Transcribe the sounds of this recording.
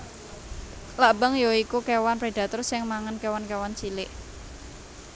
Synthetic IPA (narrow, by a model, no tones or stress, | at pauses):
labəŋjoikukewanpɾeɖ̥a̤t̪ʊrsɪŋmaŋənkewankewant͡ʃilɪʔ